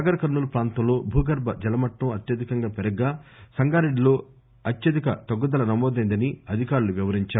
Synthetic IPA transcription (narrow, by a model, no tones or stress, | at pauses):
ɐɡɐɾɐkɐɾnːulɐpɾaːnt̪ɐ̃mlo̞ːbʱuːɡɐɾbɐd͡ʒɛlɐmɐʈːɐ̃ɐt̪jɐd̪ikɐŋɡaːpɛɾɐɡːaːsɐŋɡaːɾeɖilo̞ː | ɐt̪jɐd̪ikɐt̪ɐɡːud̪ɐlɐnɐmɔːd̪ɐjnd̪ɐniɐd̪ʱikaːɾuluʋjiʋɐɾiɲt͡ʃaːɾu